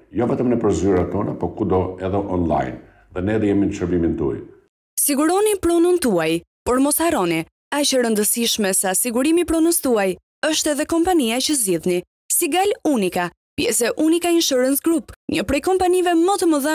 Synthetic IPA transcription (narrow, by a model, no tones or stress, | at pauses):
jɔvɛt̪əmnɛpəɾzyɾat̪ɔna̰pɔkud̪ɔɛðɛʔɔnla̰jn | ðɛnɛðijɛminʃəɾbimint̪ṵa̰j | siɡuɾɔnipɾɔnunt̪uaj | pɔɾmɔsaɾɔni | at͡ʃəɾənd̪əsiʃmɛsasiɡuɾimipɾɔnust̪uaj | əʃt̪ɛðɛkɔmpaniat͡ʃəzɟiðni | siɡalunika | pjɛ̰sɛʔunikaiəʃəɾənsɡɾupɲəpɾɛjkɔmpanivɛmət̪əməðə